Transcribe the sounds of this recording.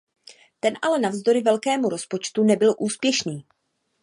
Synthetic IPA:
t̪ɛnʔalɛnavzd̪o̞ɾɪvɛlkɛːmuɾo̞spo̞t͡ʃt̪unɛbɪlʔuːspjɛʃniː

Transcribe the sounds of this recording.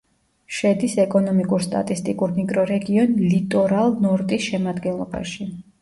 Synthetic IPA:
ʃɛd̪isɛkʼɔnɔmikʼuɾst̪ʼa̰t̪ʼist̪ʼikʼuɾnikʼɾɔɾɛɡiɔnlit̪ʼɔɾalˠnɔɾt̪ʼisʃɛmad̪ɡɛnlˠɔba̰ʃi

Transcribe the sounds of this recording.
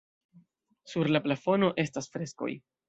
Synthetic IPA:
suɾlaplafo̞no̞ʔe̞stasfɾe̞sko̞̰j

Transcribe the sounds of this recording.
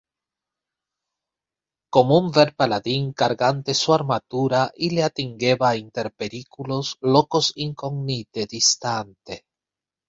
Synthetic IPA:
komouɱveɾpalaðiŋkaɾɣant̪esuaɾmat̪uɾaʔileat̪iŋɡeβaint̪eɾpeɾikulozlokosiŋkoɡnit̪ed̪ist̪ant̪e

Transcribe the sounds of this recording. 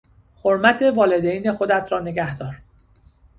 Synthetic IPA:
hoɾmæt̪ʰe̞vɒːle̞d̪ejne̞xo̞d̪æt̪ʰɾɒːne̞ɡæhd̪ɒːɾ

